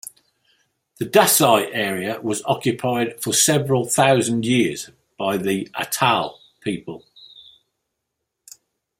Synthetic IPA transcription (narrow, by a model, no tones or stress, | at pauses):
ðədasaɪʔɛːɹiəwɒzɒ̰kʰjəpʰaɪd̥fəsɛvəɹəlˠθaʊzə̃ndjɪəz̥ | b̥aɪðiʔə̰tʰalˠ | pʰiˑpʰəlˠ